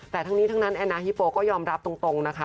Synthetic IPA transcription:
t̪ɛː˨˩t̪ʰa˦˥ŋniː˦˥t̪ʰa˦˥ŋna˦˥nʔɛː˧naː˧hi˦˥poː˧kɔː˥˩jɔː˧mɾa˦˥p̚t̪o˧ŋt̪o˧ŋna˦˥kʰa˦

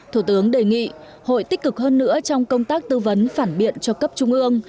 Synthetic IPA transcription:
t̪ʰu˧˩t̪ɨ˨˦əŋɗe˨˩ŋḭ˧˨ | ho̰˧˨jt̪i˦˥k̟̚kɨ˨˩k̚ɦəː˧nːɨ̰˧˥ət͡ɕɔ˧wŋ͡mkə˧wŋ͡mt̪aː˦˥k̚t̪ɨ˧və˨˦nfaː˧˩nɓḭ˧˨ənt͡ɕɔ˧kə˦˥p̚t͡ɕʊ˧ŋ͡mʔɨ˧əŋ

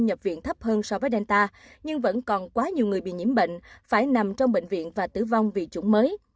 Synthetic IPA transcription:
ɲə˨˩p̚vḭ˧˨ənt̪ʰə˦˥p̚həː˧nsɔ˧vəː˨˦jɗɛ˧nt̪aː˧ | ɲɨ˧ŋvə̰˧˥nkɔ˨˩nkwaː˨˦ɲi˨˩əwŋɨ˨˩əjɓḭ˧˨ɲḭ˧˩əmɓḛ˧˨ŋ̟faː˧˩jna˨˩mt͡ɕɔ˧wŋ͡mɓḛ˧˨ŋ̟vḭ˧˨ənvaː˨˩t̪ɨ̰˧˩va˧wŋ͡mvi˨˩t͡ɕʊ˧˦ŋ͡mməː˨˦j

